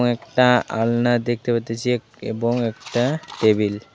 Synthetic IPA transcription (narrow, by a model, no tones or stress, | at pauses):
ŋekʈaa̰lnad̪ek̚t̪epaɾt̪ːet͡ɕʰie | ḛboŋek̚ʈaʈebil